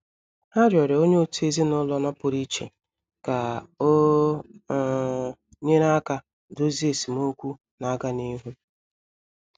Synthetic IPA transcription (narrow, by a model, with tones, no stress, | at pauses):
a˦ɾjɔ˨ɾe˨o˦ɲe˦o˦tu˦e˦zi˦nʊ˦lɔ˦nɔ˦pʊ˨ɾi˦t͡ʃḛ˨ | ka˨o˦˨ | ɲe˦ɾa˦ka˦ | do˦zi˦e˨si˨mo˦kʷu˦ | na˦ɡa˦ni˦ɦu˦